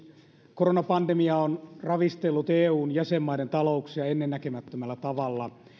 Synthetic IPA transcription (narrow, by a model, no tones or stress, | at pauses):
koɾonɑpɑndemiɑonrɑʋist̪elːut̪eːuːnjæsemːɑident̪ɑlouksiɑenːenːækemæt̪ːømælːæt̪ɑʋɑlːɑ